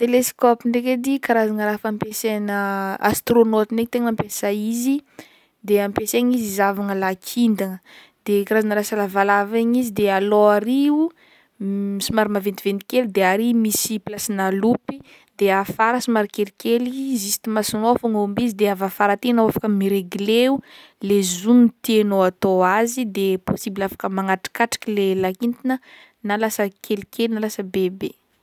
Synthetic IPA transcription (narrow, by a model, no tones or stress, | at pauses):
t̪eleskopinɖ͡ʐeked̪ikaɾazaŋəɾafampesenəa̰st̪ronot̪ineɲt̪eŋampesaizi | d̪eampeseɲizizavaŋəlakʰind̪aŋə | d̪̥ekaɾazanəɾasalavalavaɲizid̪ealoaɾiu | misimaɾimavent̪ivent̪ikelid̪eaɾimisiplasinalupi | d̪eafaɾasimaɾikelikelizisi̥t̪imasunofaŋombizid̪eavafaɾat̪enawafakəmiɾeɡileulezunt̪noat̪oazid̪eposibilafḁkəmaŋaʈ͡ʂi̥kaʈ͡ʂḁkilelakint̪inə | nalasəkʰelikʰelinalasəbebe